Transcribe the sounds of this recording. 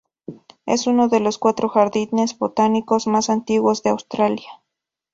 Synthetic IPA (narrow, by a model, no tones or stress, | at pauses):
ḛsunoðeloskwat̪ɾoxaɾðinezbot̪anikosmasant̪iɣwozðeawst̪ɾaljḁ